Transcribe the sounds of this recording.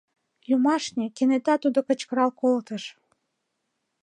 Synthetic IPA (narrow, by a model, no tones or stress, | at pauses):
jumɑʃnʲekenet̪ɑt̪ud̪okə̆t͡ɕkə̆ɾɑlkolt̪ə̆ʃ